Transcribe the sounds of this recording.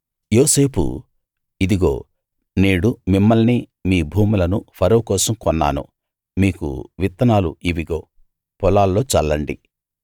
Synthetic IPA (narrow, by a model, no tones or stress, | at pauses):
jo̞ːse̞ːpʰṵ | id̪iɡo̞ː | neːɽumimːɐlni | miːbʱuːmulɐnupʰɐɾɐwukɔːsɐmkɔnːa̰ːnṵ | miːkṵʋit̪ːɐnaːlṵʔiʋiɡo̞ː | pɔlaːlːo̞ːt͡ʃɐlːɐɳɖḭ